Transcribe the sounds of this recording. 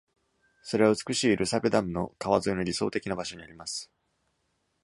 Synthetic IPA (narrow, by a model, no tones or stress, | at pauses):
so̞ɾe̞βaɯ̟t͡sɨ̥kɯ̟ɕiːɾʔɯ̟sabed̪amɯ̟no̞̰kaβazɨino̞ɾʲiso̞ːt̪e̞kʲinabaɕo̞ɲ̟iaɾʲimasɨ̥